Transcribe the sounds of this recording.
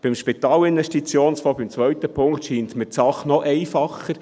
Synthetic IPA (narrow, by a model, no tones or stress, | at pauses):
b̥ɪmʃpit̪ɑːlɪnvɛʃtit͡sjoːnsfɔːbɪmt͡sʋœɥt̪əpʰʊŋkt̪ʃiːnt̪mət͡sɑχnɔʔɛɪfɑχːəɾ